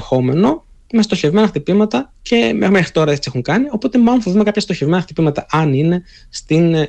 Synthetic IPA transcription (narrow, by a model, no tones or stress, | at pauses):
xo̞me̞no̞ | me̞st̪oçe̞vme̞nɐxt̪ipimɐt̪ɐce̞mexmexɾit̪o̞ɾɐet͡ssie̞xuŋkɐnio̞po̞t̪e̞mɐofoðumekɐpçɐst̪oçe̞vmenɐxt̪ipimɐt̪ɐʔɐnine̞ | st̪in